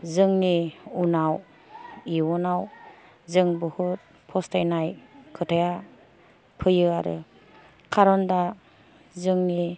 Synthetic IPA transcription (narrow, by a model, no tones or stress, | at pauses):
zɯŋniunaw | iwɔnaw | zɯŋbɯhut̚ | pʰɔstajnajkʰɯtʰaja | pʰɯjɯaɾɯ̰ | kʰaɾɔnda | zɯŋni